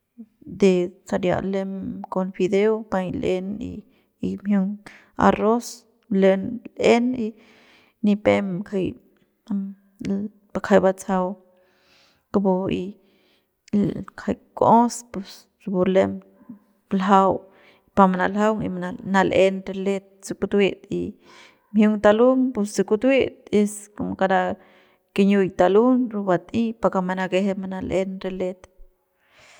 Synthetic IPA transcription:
d̪e˧t͡sa˧ɾja̰˨ʔle˧mko˧nfi˧d̪e˦wpa˧jle˧nḭ˧ | i˧mju˧ŋ | a̰˧ɾo˦s | le˧nle˦ni˧ | ni˧pe˧mkʰa˧j | pa˧kʰa˧jba˧t͡sa˧w | ka˧bo˧i˧ | kʰa˧jko˦spu˧s | ɾu˧bu˧le˧m | lɦa˧w | pamana˨lɦa˦wŋḭ˧manana˧lʔe˦nɾe˧le˦t̪̚si˧kut̪wi˦t̪ḭ | mhju˦ŋt̪a˧lu˦ŋpu˧ssi˧ku˧t̪wi˦t̪̚e˧skomka˧d̪a˧ | ke˧ɲu˧jt̪alu˦nɾu˧bat̪ĩ˦paka˧ma˧na˧ɡe˧ɦema˧nalʔe˦nɾe˧le˧t̪

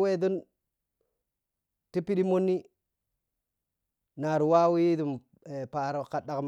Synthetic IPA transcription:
we˦do˦n | ti˦pi˦ɗi˦mo˦nːi˦ | na˨ɾu˨wa˦wi˦ji˦du˨m | e˨pa˨ɾo˨ka˨ɗa˨km

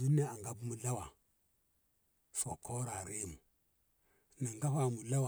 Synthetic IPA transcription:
u˦ni˦a˦a˨ŋɡa˦bmu˨la˦wa˨ | fo˨kʰo˦ɾa˨ɾi˦mu˨ | na˨ŋɡa˦ha˨mu˨la˦wa˨

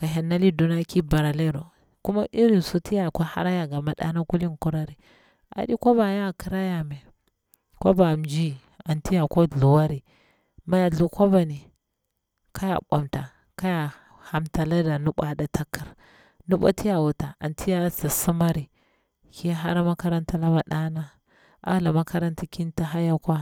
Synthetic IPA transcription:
ka˨ɦa˨nːa˦li˦du˨na˦ki˦ba˨ɾa˨le˦ɾo˨ | ku˦ma˦ʔi˦ɾi˨n˨su˦ti˦ja˨ka˦ha̰˦ɾa˦ja˨ɡa˨ma˨˦ɗa̰˦na˦ku˦li˦nku˦ɾa˦ɾi˨ | a̰˨di˦ko˦ba˨ja˦˨ki˦ɾa˦ja˨me˨ | ko˦ba˨md͡ʒi˦ | a˨nti˦ja˨ko˦ɮu˨wa˦ɾi˨ | ma˨˦ja˨ɮu˨ko˦ba˨ni˨ | ka˦ja̰˨ɓa̰˨mta˨ | ka˦ja˨ | ha˨mta˨la˦da˨nu˦ɓa˨da˨ta˦ki˨ɾ | nu˦ɓa̰˦ti˦ja˨wu˨ta˨a̰˨nti˦ja˦sa˨su˦ma˦ɾi˨ | ki˦ɦa˦ɾa˦ma˦ka˦ɾa˦nta˦la˦ba˨ɗa˦na˦ | a̰˦la˨ma˦ka˦ɾa˦nta˦ki˦nta˦ɦa˦ja˦kwa˦

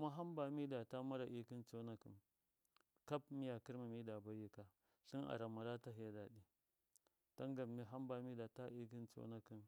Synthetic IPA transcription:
ku˦ma˦ɦa˦mba˨mi˦da˨ta˦ma˦ɾa˨ʔi˦ki˦nt͡so˦na˦kḭ˨n | ka˦pmi˦ja˨ki˦ɾma˨mi˦da˨ba˦ji˨ka˦ | ɬi˦na̰˨ɾa˨ma˨ɾa˦ta˦ɦi˨ja˦da˨ɗi˨ | ta˦ŋɡa˨mmi˦ɦa˦mba˨mi˦da˨ta˦ʔi˦ki˦nt͡so̰˦na˦ki˨n

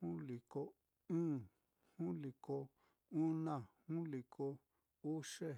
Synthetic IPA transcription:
ũ˦li˨ko˧ | ɨ̃ː˦ | hũ˦li˨ko˧ | u˦nã˦˨hũ˦li˨kʰo˧ | u˦ʂe˦

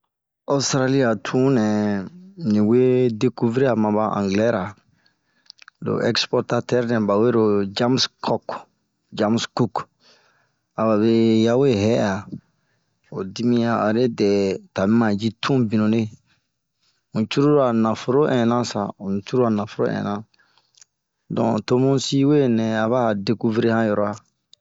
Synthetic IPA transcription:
a˦ustɾa˦li˦a˨tʰũ˦nɛ̃˨ | nĩ˨we˦de˦ku˦vɾi˦a˨mã˨ba˦ʔã̰˨ŋɡlɛ˦ɾa˨ | do̰˨ʔɛ˦kspɔ˦ɾta˦tɛ˦ɾnɛ̃˨ba˨we˦ɾo˨d͡ʒa˦mskʰɔ˦k | d͡ʒa˦msku˦k | a˨ba˨βe˦ja˦we˦ɦɛ˦ja˨ | o˨di˦mĩ˦ã˨a˨ɾe˦dɛ˨ta˨mĩ˦mã˨d͡ʒi˦tʰũ˦bĩ˨nũ˨ne˦ | ũ˨t͡ʃu˦ɾu˦ɾa˨nã˨fo˨ɾo˦ʔɛ̃˨nã˦sa˨õ˨ñ˨t͡ʃu˦ɾu˦a˨nã˨fo˨ɾo̰˦ʔɛ̰̃˨nã˦ | dɔ̰̃˨to˦mũ˦si˦we˦nɛ̃˨a˨βa˦˨de˨ku˦vɾe˦hã˦jɔ˨ɾɔ˨a˨

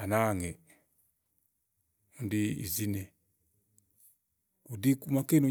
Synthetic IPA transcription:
a˨na˦ŋɛ˨ | u˨ndi˦ḭ˨zi˦nɛ˨ | u˨di˦ku˦ma˦kɛ˦nu˨

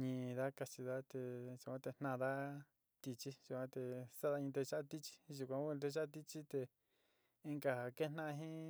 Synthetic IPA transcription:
ɲĩ˧˨˧ða˦ka˧t͡ʃi˧ða˦t̪e˧ʒu˧kʷã˧t̪e˧n̥nã˧ða˦ | t̪i˧t͡ʃi˦ʒu˨kʷã˧t̪e˧sa˦ða˧ɲĩ˧t̪̬e˧ʃa˦˧t̪i˦t͡ʃi̥˦ʒu˧kʷã˧u˦˧t̪e˧ʃa˦˧t̪i˦t͡ʃi˦t̪e˧ | i˧ŋɡa˧a˨ke˦˧n̥nã˦˧ɦĩ˦

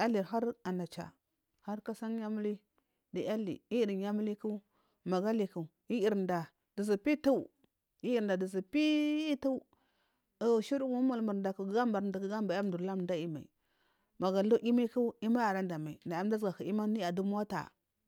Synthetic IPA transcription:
a˦li˨ɾɦa˦ɾa˨na˨t͡ʃa̰˨ | ha˦ɾka˦sa˦ŋ˦ja˦mu˦li˦ | di˨a˦lḭ˨i˦˨di˨nja˦mu˦li˦ku˦ | ma˨ɡa˦li˨ku˨ | i˦i˨ɾnda˨ | d̥i˨zi˨pi˦tu˦ | i˦i˨ɾda˨di˨zi˨pi˦tu˦u˨ | ʃi˦ɾŋu˦ma˨lmu˨ɾnda˨ku˨ɡa˦mba˨ɾnda˨kɡa˦mba˨ja˦m˨du˨ɾla˦m˨da˦i˦ma̰˨ḭ˨ | ma˨ɡa˨lu˦ʔi˦ma˦ku˦i˦ma˦a˨ɾa˦nda˨ma˨i˨na˨a˦m˦da˦zɡa˨ka˨i˦ma˦ni˦a˨du˦m˦a˦ta̰˨

